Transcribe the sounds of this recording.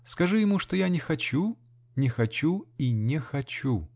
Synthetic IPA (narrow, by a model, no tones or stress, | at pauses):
skɐʐɨjɪmuʂt̪ojanʲɪxɐt͡ɕu | nʲɪxɐt͡ɕuinʲɪxɐt͡ɕu